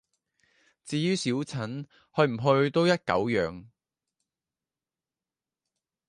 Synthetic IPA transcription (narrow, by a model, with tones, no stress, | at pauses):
t͡siː˨˧jyː˥siː˨˥wt͡sʰɐ˨˥n | hɵ˧ɥm̩˨˩ɦɵ˧ɥt̪o˥wjɐ˥t̚kɐ̰˨˥wjœ̰ː˨˧ŋ